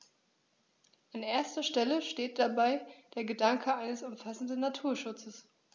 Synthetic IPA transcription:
ʔanʔeːɐstɐʃtɛləʃteːt̚d̥abaɪd̥eːɐɡədaŋkʰəaɪnəsʊmfasn̩dn̩ːatʰuːɐʃʊt͡səs

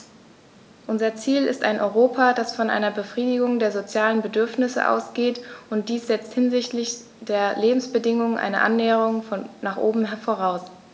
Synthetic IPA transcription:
ʔʊnzɐt͡siːlɪ̰staɪnʔɔʏʁoːpʰadasfɔnʔa̰ɪnɐbəfʁ̥iːdɪɡʊŋdeːɐzot͡sjaːlənbədʏɐfnɪsə̰ʔa̰ʊsɡ̥eːtʔʊnt̚d̥iːsz̥ɛt͡sthɪnzɪçtlɪç | d̥eːɐleːbm̩sb̥ədɪŋʊŋənʔa̰ɪnə̰ʔa̰nːɛːəʁ̞ʊŋfɔnnaːχʔo̰ːbm̩ɦɛfoʁ̞aʊs

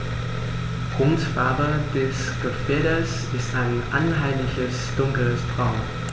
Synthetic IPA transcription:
ɡ̥ʁʊntfaɐbəd̥ɛs | ɡ̥əfɛɐɾəs | ɪstaɪnʔa̰nɦaɪmlɪçəsd̥ʊŋkl̩sdʁ̥aʊn

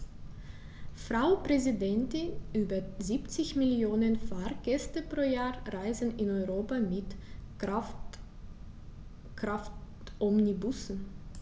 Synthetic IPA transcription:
fʁ̥aʊpʁ̥ɛzɪdɛntɪnʔyːbɐziːpt͡sɪçmɪljoːnənfaʁɡ̥ɛstəpʁ̥oːjaːʁaɪzn̩ɪnɔʏʁoːpamɪt | kʁaftʔɔmnibʊsn̩

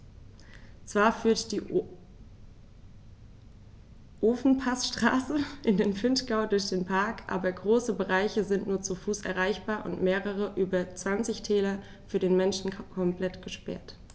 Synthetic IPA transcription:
t͡sv̥aːɐfyːɐtd̥iː | ʔoːfn̩pʰasʃtʁ̥a̰ːsəʔɪndeːnfɪntɡ̥aʊdʊɐçd̥eːnpʰaɐkʔa̰ːbɐɡʁoːsəbəʁaɪçəzɪntnuːɐt͡sufuːsʔɛ̰ɐʁ̞aɪçb̥aːɐʔʊ̰ntmeːʁəʁ̞əʔyːbɐt͡sv̥ant͡sɪçtʰɛːlɐ | fyːɐdeːnmɛnʃn̩kʰɔmpl̥ɛtɡ̥əʃpɛ̰ɐt

